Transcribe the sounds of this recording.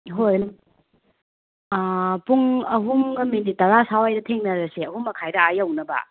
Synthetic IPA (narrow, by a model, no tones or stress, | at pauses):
ɦoj | puŋɐɦumɡɐmːinditɐɾasawajdɐtʰeŋnɐɾɐseɐɦumːɐkʰajdɐajɐwnɐbɐ̰